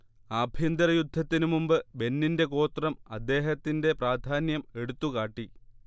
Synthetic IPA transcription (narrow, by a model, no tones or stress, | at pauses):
aːbʱjɐnd̪ɐrɐjud̪ʱːɐt̪ːinumumbɨbe̞nːinde̞ko̞ːt̪rɐmɐd̪ːe̞ːɦɐt̪ːinde̞praːd̪ʱaːnjɐme̞ɽut̪ːukaːʈːi